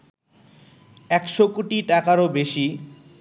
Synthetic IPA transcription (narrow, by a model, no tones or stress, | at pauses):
ɛkʃokuʈiʈakaɾobeʃi